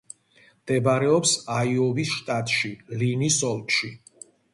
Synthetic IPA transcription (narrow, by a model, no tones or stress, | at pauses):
md̪̥ɛbaɾɛɔpsaiɔvisʃt̪ʼat̪ʼʃilinisɔlˠt̪ʼʃi